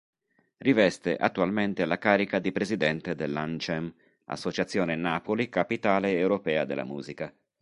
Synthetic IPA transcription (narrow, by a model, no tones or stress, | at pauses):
rivɛst̪ḛʔa̰t̪ːualment̪ealːakaːɾikad̪ipɾezid̪ɛnt̪ed̪elːant͡ʃɛm | a̰sːot͡ʃat̪sːjoːnenaːpolikapit̪aːleːwɾopɛːad̪ḛlːa̰muːzika